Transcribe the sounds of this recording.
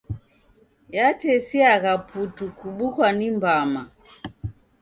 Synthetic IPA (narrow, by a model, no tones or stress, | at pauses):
jatɛsiaɣaputukuɓukwanimbama